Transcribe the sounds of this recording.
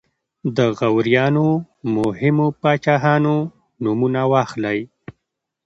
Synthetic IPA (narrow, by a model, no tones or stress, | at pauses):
d̪əɣawɾjɑno | mʊhɪmopɑt͡ʃɑɦɑno | numunawɑxlaj